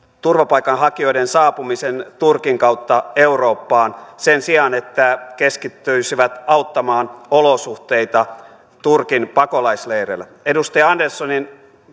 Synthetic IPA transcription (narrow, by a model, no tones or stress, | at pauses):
t̪urʋɑpɑikɑnhɑkioidensɑːpumisent̪urkiŋkɑwt̪ːɑeuro̞ːpːɑːnsensiɑnet̪ːækeskit̪ːyisiʋæt̪ɑut̪ːɑmɑːnolosuht̪eit̪ɑ | t̪urkinpɑkolɑisleirḛlːæ | edust̪ɑjɑɑndersːonin